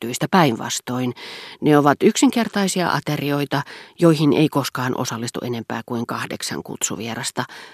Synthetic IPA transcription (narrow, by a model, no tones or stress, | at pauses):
t̪yist̪æpæiʋʋɑ̰st̪oinneoʋɑt̪yksiŋkert̪ɑisiɑ̰ʔɑ̰t̪erioit̪ɑjoihinḛikoskɑːnʔo̰sɑlːist̪ṵʔenempæ̰ːkuiŋkɑhdḛksɑ̰ŋkṵt̪sṵʋierɑst̪ɑ